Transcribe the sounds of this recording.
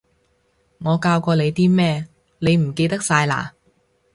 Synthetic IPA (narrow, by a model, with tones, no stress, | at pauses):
ŋɔː˨˧kaː˧wkɔː˧le˨˧jt̪iː˥mɛː˥ | le˨˧jm̩˨˩ke˧jt̪ɐ˥k̚saː˧jla̰ː˨˩